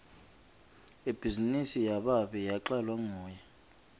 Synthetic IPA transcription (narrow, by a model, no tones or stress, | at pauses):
ib̥ʱizinisijaɓaɓɛjaǁalwaŋɔːjɛ